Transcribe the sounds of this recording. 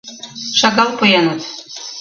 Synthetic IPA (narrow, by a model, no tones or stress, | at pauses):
ʃɑɣɑlˠpɤ̆jɑnɤ̆t̪